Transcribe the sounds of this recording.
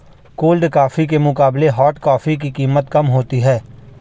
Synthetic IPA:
koːlɖkaːfik̬emʊkaːbleɦɔːʈkaːfik̬ikiːmət̪kəmɦoːt̪iɦɛː

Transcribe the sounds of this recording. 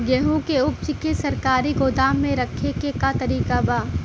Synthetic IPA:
ɡɛɦũkeʊpt͡ʃɪkesɐɾkaːɾiɡod̪aːmːẽɾɐkʰekekat̪ɐɾiːkabaː

